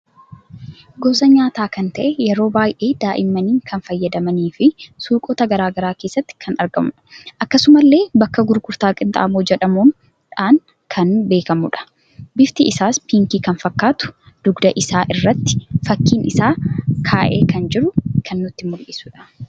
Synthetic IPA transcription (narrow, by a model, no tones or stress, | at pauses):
ɡɔːsɐɲaːt̪aːkɐnt̪ɐʔɛjɛɾo̞ːbaːjʔe̞ːd̪aːʔɪmːɐniːŋkʰɐnfɐjːɐd̪ɐmɐniːfɪsuːkʼoːt̪ɐɡɐɾaːɡɐɾaːke̞ːsːɐt̪ːɪ̥kʰɐnɐɾɡɐmʊᶑɐ̥ʔɐkːɐsʊmɐlːe̞ːbɐkːɐɡʊɾɡʊɾt̪aːkʼɪnt̪ʼa̰ʔɐmoːd͡ʒɛᶑɐmuːn | ᶑaːŋ | kʰɐnbe̞ːkɐmʊᶑɐ̥ | bɪft̪ɪɪsaːspiːŋkiːkɐnfɐkːaːt̪ʊ̥ | d̪̥ʊɡd̪ɐʔɪsaːʔɪrːɐt̪ːɪ̥fɐkːiːnɪsaːkʰaːʔḛːkɐnd͡ʒɪɾʊkʰɐnːʊt̪ːɪmʊlʔɪsʊᶑɐ̥